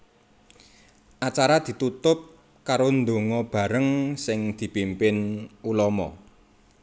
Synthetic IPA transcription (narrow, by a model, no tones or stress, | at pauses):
ʔat͡ʃaɾad̪̥i̤t̪ut̪ʊp̚ | kaɾond̪oŋɔb̥a̤ɾəŋsɪŋd̪̥i̤pimpɪnulɔmɔ̰